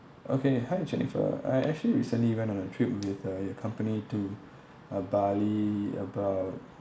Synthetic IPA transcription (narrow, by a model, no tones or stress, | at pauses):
ʔokʰehaɪd͡ʒɛnḭfə̰a̰jʔɛk̚t͡ʃuəliɹisə̃nliwɛ̃nɔ̃nətʰɹip̚wɪðəjəkʰãmpənitu | əbaliə̰baʊt̚